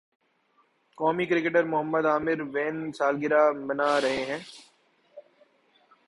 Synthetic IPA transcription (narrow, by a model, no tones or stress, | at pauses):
kɔːmikɾɪkeʈəɾmʊɦəmːəd̪aːmɪɾʋeːnsaːlɡɪɾamɐnaɾɐɦeɦɛ̃ː